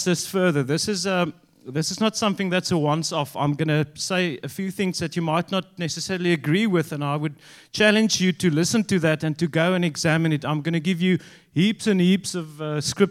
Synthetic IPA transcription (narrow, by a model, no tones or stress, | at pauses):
ðɪsfɜ˞ðə˞ðɪsɨzə | ðɪsɨznətsʌ̃mθɪ̃ŋðætsəwʌ̃nsɔfã̰ɪ̃mɡʌnɨseɪəfjʉθɪ̃ŋzðɨt͡ʃɨmaɪtⁿnət̚ⁿnɛsɨsɛɹəl̩ˠiɨɡɹiwɪðə̃naɪwɨd̚ | t͡ʃʰælɨ̃nd͡ʒjɨtɨlɪsə̃ntɨðætɨ̃ntɨɡoʊə̃nɨɡzæmɨ̃nɨtãɪ̃mɡʌñɨɡɪvjɨ | hipsɨ̃nhipsʌvʌskɹɪp̚